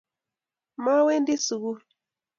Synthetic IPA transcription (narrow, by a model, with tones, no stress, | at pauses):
ma˦we˦ndɪ˦su˨ɣu˦